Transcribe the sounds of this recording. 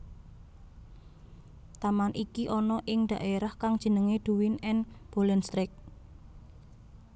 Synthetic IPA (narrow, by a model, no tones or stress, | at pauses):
t̪amanʔikiʔɔnɔʔɪŋd̪̥ä̤ʔeɾahkaŋd̥ʒ̥ə̤nəŋed̪̥ṳwɪnɛnb̥olɛnst̪ɾɪk̚